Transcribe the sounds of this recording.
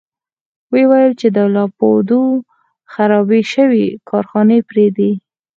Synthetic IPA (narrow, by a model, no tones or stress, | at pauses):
wewajəlt͡ʃed̪əlɑpod̪u | xaɾɑbiʃəwikʰɑɾxɑnepɾed̪i